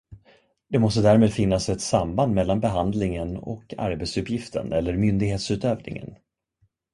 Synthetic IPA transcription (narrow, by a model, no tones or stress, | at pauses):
d̪ɛmɔs̬t̪əd̪æːɾmeːd̪fɪnːasɛt̪samband̪mɛlːanbɛɦand̪lɪŋənɔ̰kʰa̰ɾbeɛt̪sɵpjɪft̪ʰə̰nɛlːəɾmʏnd̪ɪɡɦeːt̪sʉ̟ːt̪øːvnɪ̰ŋə̰n